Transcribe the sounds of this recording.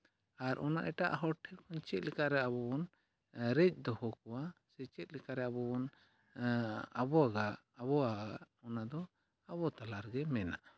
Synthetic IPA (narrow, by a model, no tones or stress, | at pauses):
aɾʔɔ̰na̰ʔɛʈaʔɦɔʈʰɛɾkʰɔɲt͡ʃɛt̪̚ˀlɛkaɾɛaβɔbɔn | ɾɛc̚ˀd̪ɔhɔkɔwasɛt͡ʃɛt̪̚likaɾɛabɔbɔn | abɔaɡaʔːbɔaɡaʔ | ɔnad̪ɔ | abɔt̪alaɾɡɛmɛna̰ʔ